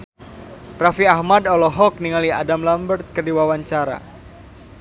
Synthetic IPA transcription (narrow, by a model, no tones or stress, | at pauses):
rafiahmadɔlɔɦɔk̚niŋalia̰damlambərt̪̚kərdiwawaɲt͡ʃaɾa̰